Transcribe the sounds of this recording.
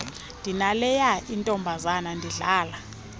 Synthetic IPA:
ndʱinalɛjaʔintʼɔmbʱazanandʱiɮaːla

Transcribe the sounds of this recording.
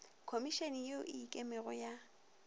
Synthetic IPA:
kʰomiʃenjoʔɪːkʼɛmɛɣɔja

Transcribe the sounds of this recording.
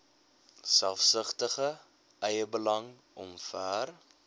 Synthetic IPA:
sælˠfsəχtəχə | ɛjəbəlɐŋ | ɔ̰mfæːr

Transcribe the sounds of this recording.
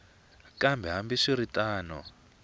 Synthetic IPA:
kʼambɛɦambiʂiɾitʼaːnɔ̰

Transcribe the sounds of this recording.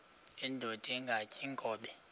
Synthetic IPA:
ɛndʱod̥ʱiŋɡʱacʼiŋɡʱɔːɓɛ

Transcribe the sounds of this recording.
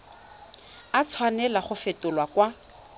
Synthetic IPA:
at͡sʰwanɛlaχʊfɪtʊlwakwa

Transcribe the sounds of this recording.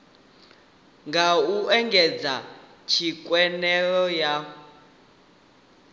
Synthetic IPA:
ŋɡauɛŋɡʱɛd͡za | t͡ʃʰikʼwɛnɛɺɔja

